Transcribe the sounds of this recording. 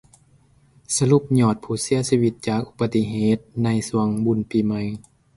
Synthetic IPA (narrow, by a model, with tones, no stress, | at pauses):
sa˧lu˧˩p̚ɲɔː˨˩t̪̚pʰuː˧˩si˧˥ɐsiː˧wi˧˩t̪̚t͡ɕaː˨˩k̚ʔu˧pa˧t̪ːi˧ɦeː˧˨˦t̪̚na˧jsu˧əŋbu˧˨npiː˧˩ma˧˦j